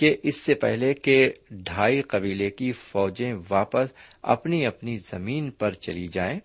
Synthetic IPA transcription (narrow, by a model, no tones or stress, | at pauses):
keʔɪsːepɛɦlekeɖʱaːiqɐbiːlekifɔːd͡ʒẽʋaːpəsɐ̰pniɐpnizɐmiːnpɐɾt͡ʃɐ̰lid͡ʒaːẽː